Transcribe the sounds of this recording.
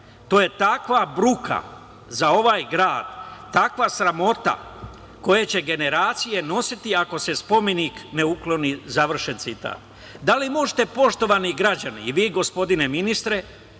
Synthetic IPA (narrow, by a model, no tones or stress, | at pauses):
t̪o̞ːje̞t̪akʋabɾukʰa̰ | zao̞ʋaːjɡɾaːd̪̥ːakʋasɾamo̞t̪a̰ | ko̞jet͡ɕe̞ɡe̞ne̞ɾaːt̪sije̞no̞sit̪iako̞se̞spo̞me̞nikne̞uklo̞nizaʋr̩ʃent̪sit̪a̰ːt̪ | d̪alimo̞ʒet̪e̞po̞ʃt̪o̞ʋaniɡɾad͡ʑanḭːʋiːɡo̞spo̞d̪ine̞minist̪ɾe̞